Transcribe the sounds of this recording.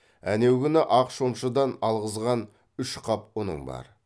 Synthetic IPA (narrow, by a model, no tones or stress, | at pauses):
ænewɡʲɪnɪʔɑqʃomʃəd̪ɑnɑlˠʁəzʁɑn | ʏʃqʰɑpwonə̰ɴbɑ̰ɾ